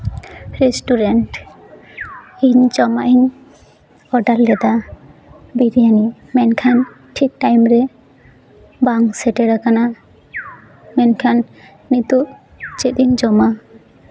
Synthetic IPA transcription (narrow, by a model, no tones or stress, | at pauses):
ɾɛsʈuɾɛɳʈ | iɲd͡ʒɔmaʔiɲ | ɔɖalːɛd̪a | biɾijanimɛnkʰan | ʈʰik̚ʈajmɾɛ | baŋsɛʈɛɾakana | mɛnkʰanː | it̪uʔ | t͡ʃet̪iɲd͡ʒɔma